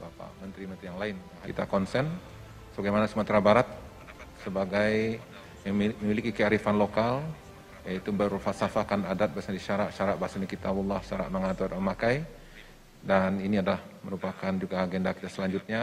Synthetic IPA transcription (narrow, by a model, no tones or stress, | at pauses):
bapa̰mənt̪ɾimənt̪ɾijaŋlaɪnaɦit̪akɔnsɛn | səbaɡajmanasəmət̪ɾabaɾat̪̚ | səbaɡaj | jaŋməmilikikəaɾifanlokal | jait̪ubərfasafakanadat̪̚baasɲadiʃaɾaʔʃaɾaʔ̚baasanakit̪abulːahʃaɾa̰ʔməŋat̪uadməmakaj | daniniadalahməɾupakand͡ʒuɡaːɡendaki̥t̪asəlaɲd͡ʒut̪̚ɲa